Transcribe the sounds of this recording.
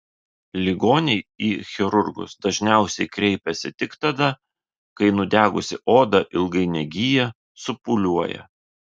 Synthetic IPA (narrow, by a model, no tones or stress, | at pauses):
lʲɪɡoːnʲɛɪiːxʲɛɾʊɾɡʊ̰sd̪ɐʒʲnʲæˑʊsʲɛɪkɾʲɛɪpʲɛsʲɪt̪ʲɪkt̪ɐd̪ɐ | kɐɪnʊd̪ʲæːɡʊsʲɪʔoːd̪ɐʔɪlˠɡɐɪnʲɛɡʲɪjɛ | sʊpʊlʲuɔjɛ̰